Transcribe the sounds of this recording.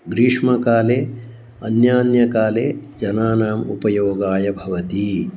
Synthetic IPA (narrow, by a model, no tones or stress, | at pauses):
ɡɾiːʂmɐkaːleː | ɐnjaːnjɐkaːleːd͡ʒɐnaːnaːmṵpɐjoːɡaːjɐbʱɐʋɐt̪i